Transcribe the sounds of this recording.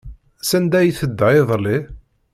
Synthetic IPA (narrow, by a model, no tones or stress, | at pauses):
sænd̪æjθəd̪ːæiðˤlːi